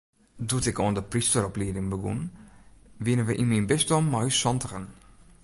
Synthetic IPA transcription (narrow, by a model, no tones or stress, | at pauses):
dutɛkoəndəpristəɾɔpliədɪŋbəɡṵn | ʋɪnəʋəʔinminbɪstɔmːɔjsɔntəxən